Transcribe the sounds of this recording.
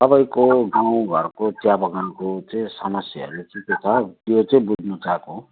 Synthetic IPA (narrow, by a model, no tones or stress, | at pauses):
t̪ʌbaj̃koɡaw̃ɡʱʌɾkot̪jabʌɡakot͡sʌĩsʌmʌsjʌɦʌ̰ɾut͡sĩt̪etʰat̪jot͡sʌĩbud͡znut͡sako